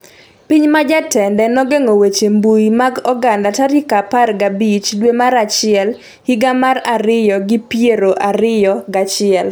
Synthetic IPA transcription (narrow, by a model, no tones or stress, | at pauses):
piɲmad͡ʒatɛndɛnɔɡeŋowet͡ʃembuimaɡɔɡandataɾɪkaparɡabit͡ʃdwemaɾat͡ʃɪɛl | hiɡamaɾaɾɪjɔɡɪpjeɾoʔaɾɪjɔɡat͡ʃɪɛl